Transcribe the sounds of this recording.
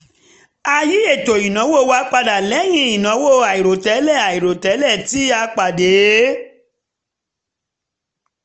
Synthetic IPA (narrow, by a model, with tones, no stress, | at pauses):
a˧ji˨˦e˦˨to˨i˨nã˨˦wo˦˨˦wa˧˦k͡pa˧da˨lɛ˨˦j̃ĩ˧˦i˨nã˨˦wo˦˨a˨i˨ɾo˨tɛ˨˦lɛ˦˨a˨i˨ɾo˨tɛ˨˦lɛ˦˨ti˨˦a˧k͡pa˨de˨˦